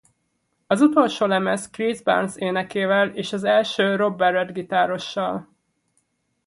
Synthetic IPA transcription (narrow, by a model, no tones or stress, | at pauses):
ɒzut̪o̞lʃoːlɛmɛskrizba̰rnseːnɛkeːvɛleːʃɒzɛlʃøːro̞bːɛrɛrd̪ɡit̪aːɾo̞ʃːɒl